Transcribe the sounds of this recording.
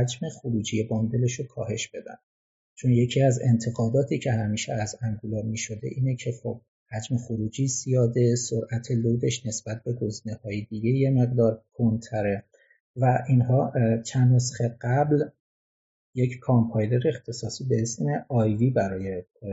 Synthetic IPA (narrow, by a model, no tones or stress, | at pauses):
æd͡ʒme̞xoɾuːd͡ʒijebond̪e̞leʃokʰɒːɦe̞ʃb̥e̞d̪æ̰n | t͡ʃʰo̞nje̞cʰiːæze̞̰nt̪ʰe̞ɣɒːd̪ɒːt̪ʰiːcʰe̞hæmiːʃeæzæŋɡuloɾmiːʃo̞d̪e̞̰ʔiːnecʰe̞xob̥̚ | hæd͡ʒme̞xoɾuːd͡ʒiːzijɒːd̪e̞soɾʔæt̪ʰe̞lod̪e̞ʃne̞sb̥æt̪̚ʰbe̞ɡoziːnehɒːjed̪iɟeje̞me̞ɣd̪ɒːɾkʰont̪ʰæɾe̞ | væʔinɦɒːt͡ʃʰænɾusxeɢæbl | je̞ckʰɑmpʰɑjleɾeːxt̪ʰe̞sɒːsiːbe̞esme̞ʔɒjviːbæɾɒːje̞